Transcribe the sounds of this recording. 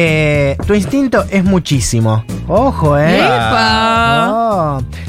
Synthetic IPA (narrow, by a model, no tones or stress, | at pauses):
et̪uinst̪int̪o̞ʔezmut͡ʃisimooxoeipao